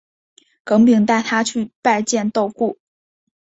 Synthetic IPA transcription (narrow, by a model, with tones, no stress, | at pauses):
kɤ˧˥ŋp̬i˨˩ŋt̪a˥˩ɪt̪ʰa˥t͡ɕʰy˥˧pa˥˧ɪt͡ɕjɛ˥˧nt̪o˥˧ʊku˥˩